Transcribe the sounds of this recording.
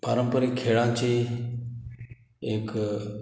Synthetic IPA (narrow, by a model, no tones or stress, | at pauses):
paːɾə̃mpəɾiːkʰeːɭãːt͡ʃeː | ɪk